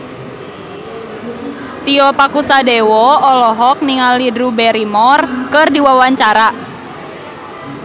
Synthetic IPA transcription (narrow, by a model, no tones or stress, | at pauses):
t̪iɔpakusadewɔɔlɔɦɔk̚niŋalidɾubɛɾimɔrkɨrdiwawaɲt͡ʃaɾa